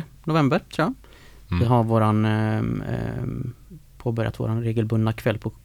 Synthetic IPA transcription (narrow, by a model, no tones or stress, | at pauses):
nʊvɛmbəɾt̪ʰɾuja | vɪɦaɾvoːɾan | pʰoːbœɾjat̪vo̰ːɾanɾeːɡəlbɵnd̪akʰvɛlːpʰɔ